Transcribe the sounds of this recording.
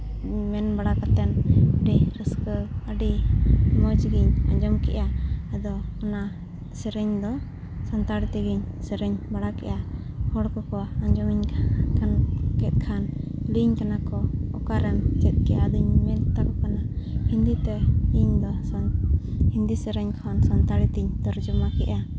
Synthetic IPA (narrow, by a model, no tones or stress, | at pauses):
mɛnbaɽakat̪ɛnəɖiɾəskəəɖimɔd͡ʒɡiɲaɲd͡ʒɔmkɛ̰ʔaad̪ɔɔna | sɛɾəɲd̪ɔ | sant̪aɽt̪ɛɡiɲ | sɛɾəɲbaɽakɛ̰ʔa | hɔɽkɔkɔaɲd͡ʒɔmiɲʰkʰankɛt̪̚ˀkʰanliɲkanakɔɔkaɾɛmt͡ʃɛt̪̚kɛʔad̪uɲmɛlt̪akɔkanahind̪it̪ɛliɲd̪ɔ | hind̪isɛɾɛɲkʰansɔnt̪aɽit̪iɲd̪ɔɾd͡ʒɔmakɛʔa